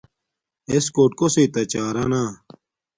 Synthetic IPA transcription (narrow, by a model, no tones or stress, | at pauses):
eskoːʈ̚koseːt̪ɐt͡ɕaːɾaːnaː